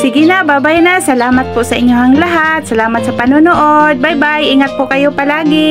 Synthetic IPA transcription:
sɪɡɪnabaːbajnasɐlaːmat̪̚pʊʔsɐʔɪɲjoɦaŋlaɦat̪̚sɐlaːmat̪sɐpɐnʊnoʔod̪̚bajbajʔɪŋat̪̚pʊkɐjopɐlaːɡɪ

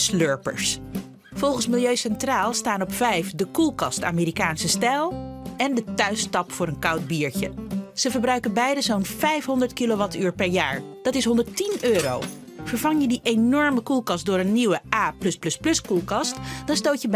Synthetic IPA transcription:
sløɹpə̰ɹs | fɔlˠχənsmɪlˠjøɥsɛntraːlˠstaːnɔpfɛjfdəkulˠkɑsta̰ːmeːɾikaːnsəstɛlˠɛndətœɥstɑpfʊːɾənkɑwd̚biːɹcə̰z̥əvəɹbrœɥkənbɛjdəzownvɛjfɦɔndəɹtkiloʋɑtyːɹpɛɹjaːɹd̥ɑtɪsɦɔndəɹtinøːɾo̰w | vəɹvɑŋjədiʔenɔɹməkulˠkɑst̚dʊːɾənːiwəaːplɵsplɵsplɵskulˠkɑstd̥ɑnstowtjəb

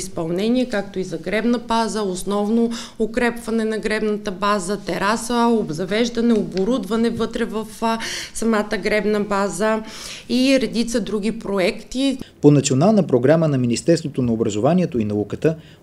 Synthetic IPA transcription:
spɐlˠnɛniɛkak̚t̪oizɐɡɾɛbnəbazəosnɔvno | ʊkɾɛpvɐnɛnɐɡɾɛbnət̪əbazət̪ɛɾasəobzɐvɛʒd̪ɐnɛoboɾud̪vɐnɛvɤt̪ɾɛvɐfsɐmat̪əɡɾɛbnɐbazə | iɾɛd̪it̪səd̪ɾuɡ̟ipɾoɛkt̪iponɐt̪sionalˠnəpɾoɡɾamənɐminist̪ɛɾst̪vot̪onɐobɾɐzovaniɛt̪oinɐukət̪ə

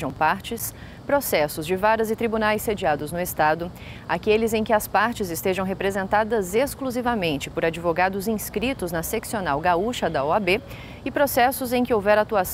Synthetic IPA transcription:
ʒɐ̃w̃paɾt͡ʃɪs | pɾosɛsʊzd͡ʒɪvaɾɐzɪt̪ɾibunajsːed͡ʒiad̪ʊznʊest̪ad̪ʊ | akelɪzẽj̃kɪɐspaɾt͡ʃɪzɪst̪eʒɐ̃w̃ɦepɾezẽnt̪ad̪ɐzeskluzivɐmẽnt͡ʃɪ̥poɾad͡ʒivoɡad̪ʊzĩskɾit̪ʊznɐseksionawɡauʃɐd̪ɐɔabe | ɪpɾosɛsʊzẽj̃kɪowvɛɾat̪uas

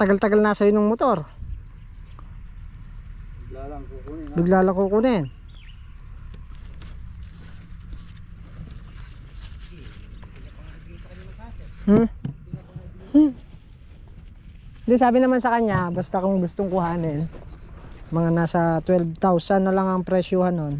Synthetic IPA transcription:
t̪ɐɡalt̪ɐɡalnɐsɐjonʊŋmot̪o̞ɾ | bɪɡlaːlɐkuːkʊnɛn | h̩ | h̩ | hɪnd̪ɪsaːbɪnɐmansɐkɐɲabast̪ɐkʊŋɡʊst̪oŋkʊhaːnɪn | mɐŋanaːsɐt̪wɛlbt̪awsɐnːɐlaŋɐŋpɾɛːʃʊhɐnon

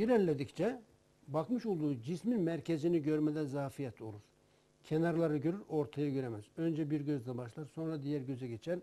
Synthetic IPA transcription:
yɾɛnlʲed̪ict͡ʃʰɛ | bakmɯʃolˠd̪uːd͡ʒisminmæɾcʰeziniɟøɾmɛd̪ɛzaːfijɛt̪ʰo̰lˠuɾ̥ | cʰenaɾlˠaɾɯɟøɾyɾo̞ɾt̪ʰajaɟø̞ɾemæzø̞nd͡ʒɛbiɾɟø̞zd̪ɛbaʃlˠaɾso̞nɾad̪ijæɾɟø̞zɛɟet͡ʃʰæn

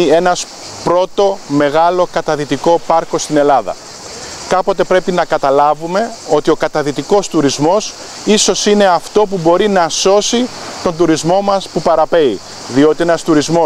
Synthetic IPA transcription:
e̞nɐs | pɾo̞t̪o̞me̞ɣɐlo̞kɐt̪ɐðit̪iko̞pɐɾko̞st̪ine̞lɐðɐ̰ | kɐpot̪e̞pɾe̞pinɐkɐt̪ɐlɐvume̞o̞t̪io̞kɐt̪ɐðit̪iko̞st̪uɾizmo̞s | iso̞sine̞ɐft̪o̞pubo̞ɾinɐso̞si | t̪o̞nd̪uɾizmo̞mɐspupɐɾɐpe̞i | ðio̞t̪ienɐst̪uɾizmo

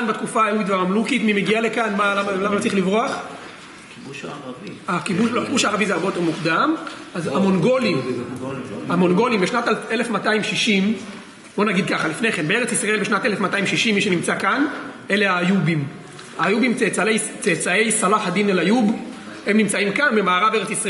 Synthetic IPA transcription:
anbatkufaajuit̪veamamlukit̪mime̞ɡialekanmalamalamaot͡sʁiχlivʁoaχ | akibuʃlokibuʃaːʁavizeaʁbeot̪e̞ʁmukd̪am | azamonɡo̞lim | amo̞nɡo̞limbeʃnat̪alelefmataimʃiʃim | b̥o̞naɡid̪̚kaχalifne̞χe̞nbe̞e̞ʁet͡sisʁaelbeʃnat̪elefmataimʃiʃimːiʃenimt͡sakan | e̞le̞aːjubim | ajubimt͡set͡saejt͡set͡sae̞jsalafhad̪inelajub | he̞mnimt͡saimkanbemaːʁabeeʁet͡sisʁe

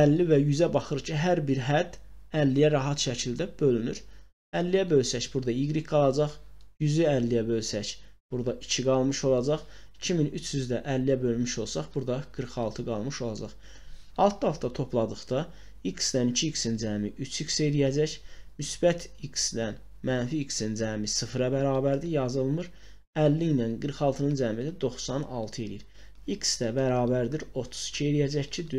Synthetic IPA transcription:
ælːivæjyzæbɑχɯɾcʰiɦæɾbiɾɦæd̪̥ːælːijæɾɑɦɑt̪ʃæcʰild̪æb̥ølynyɾ | ælːijæbø̞lsæçb̥uɾd̪ɑiɡɾikɡɑlˠɑd͡ʒɑχjyzyælːijæbø̞lsæç | b̥uɾd̪ɑʔicʰiɡɑlˠmɯʃo̞lˠɑd͡ʒɑχ | i̥cʰiminyt͡ʃʰjyzd̪æʔælːijæbø̞lmyʃo̞lˠsɑχb̥uɾd̪ɑɡ̥ɯɾχɑlˠt̪ʰɯɡɑlˠmɯʃo̞lˠɑd͡ʒɑχ | ɑlˠt̪ʰɯhɑft̪ɑt̪ʰo̞pʰlˠɑd̪ɯχt̪ɑ | iksd̪ænicʰiːksind͡ʒæmiʔyt͡ʃʰikse̞lijæd͡ʒæçmysb̥æt̪ʰiksd̪æn | mænfiːksind͡ʒæmisɯfɾɑbæɾɑːbæɾd̪ijɑzɯlˠmɯɾ | ælːinænɡɯɾχɑlˠt̪ʰɯnɯnd͡ʒæmid̪æd̪o̞χsɑnɑ̰lˠt̪ʰɯe̞lijiɾ | iksd̪æbæɾɑːbæɾd̪iɾo̞t̪ʰu̥z̥i̥cʰie̞lijæd͡ʒæçcʰid̪

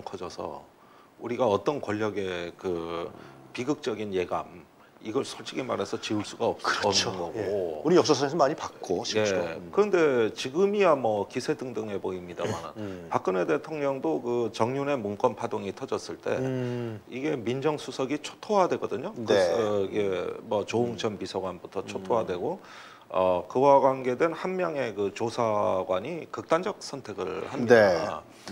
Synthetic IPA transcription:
kʰʌd͡ʑʌsʰʌ̰ | uɾiɡaʌt͈ʌnkwʌʎːʌɡe̞kɯ | piɡɯk̚t͡ɕ͈ʌɡinje̞ɡa̰m | iɡʌɭsʰʌɭt͡ɕʰiɡima̰ɾe̞sʰʌt͡ɕiɯɭs͈uɡaʌp̚ʌnnɡʌɡouɾijʌk̚s̬͈ʌsʰʌes̬ʰʌmaɲipak̚kk͈oɕije̞kɯɾʌnde̞t͡ɕiɡɯmiamʌkisʰe̞dɯŋdɯŋɦe̞boimɲida̰ma̰nɯ̰npak͈̚ɯne̞de̞tʰoŋɲʌŋdokɯt͡ɕʌŋɲune̞munk͈wʌnpʰadoŋitʰʌd͡ʑʌs͈ɯɭt͈e̞̰ | iɡe̞mind͡ʑʌŋsʰusʰʌɡit͡ɕʰo̥tʰoɦadwe̞ɡʌdɯɲoniɡe̞mwʌt͡ɕouŋt͡ɕʰʌnpisʰʌɡwanbutʰʌt͡ɕʰotʰojadwe̞ɡo | ʌkɯwaɡwanɡe̞dwe̞nhanmjʌŋe̞kɯt͡ɕosʰaɡwaɲikɯk̚t͈and͡ʑʌk̚s͈ʰʌntʰe̞ɡɯɭhamie

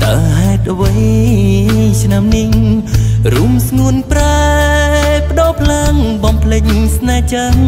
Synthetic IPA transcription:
t̪a̰whaɛt̪̚ʔəʋəj | t͡ɕʰnamniŋ | rumsŋuənpra | pə̆ɗoːpʰlaŋɓɑmpʰlɨɲsnaːt͡ɕəŋ

